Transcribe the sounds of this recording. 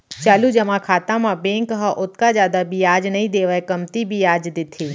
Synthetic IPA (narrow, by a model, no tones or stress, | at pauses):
t͡ʃaːlud͡ʒɐmãkʰaːt̪ãmãbẽːŋkɦaʔʊt̪kazjaːd̪abʱijaːd͡ʒnɐĩd̪eːʋəekɐmt̪ibʱijaːd͡ʒd̪ɪt̪ʰeː